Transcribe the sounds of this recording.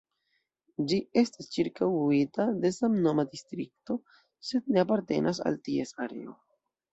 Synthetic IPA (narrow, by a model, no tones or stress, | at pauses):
d͡ʒie̞stast͡ʃiɾkawitade̞samno̞madistɾik̚to̞ | se̞d̚ne̞apaɾte̞̰nʔasa̰ltie̞saɾḛo̞̰